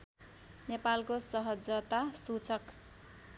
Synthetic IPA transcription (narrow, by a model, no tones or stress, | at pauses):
nepalkosʌɦʌd͡zʌt̪asut͡sʰʌk